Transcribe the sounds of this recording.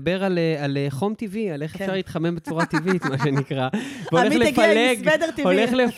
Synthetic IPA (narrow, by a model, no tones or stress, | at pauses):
be̞ʁalealeχo̞mt̪iviale̞χefʃaʁleit̪χame̞mbet͡suʁat̪ivit̪maʃenikʁaveoe̞χleffaleɡed̪eʁiole̞χlef